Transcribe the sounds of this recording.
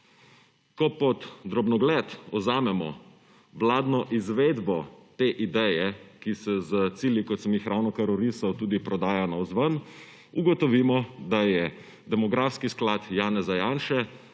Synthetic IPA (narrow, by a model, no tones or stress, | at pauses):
kɔpɔt̪ːɾɔbnɔɡlɛt̪ɔzaːmɛmɔ̰ | ʋlaːd̪nɔʔizʋeːd̪bɔt̪eːʔid̪ɛjɛkisɛzət̪siːljikɔt̪səmjixɾaːwnɔkaɾɔɾisawt̪uːd̪ipɾɔd̪aːjanaɔzʋən | uɡɔt̪ɔʋiːmɔd̪ajɛ | d̪ɛmɔɡɾaːfskisklaːt̪jaːnɛzajaːnʃɛ